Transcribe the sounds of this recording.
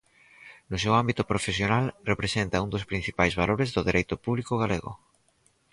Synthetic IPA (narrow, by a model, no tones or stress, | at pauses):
nʊsewambit̪ʊpɾofesjonalrepɾesent̪ɐund̪ospɾin̟θipajzβaloɾezðʊðeɾejt̪ʊpuβlikoɣaleɣʊ̰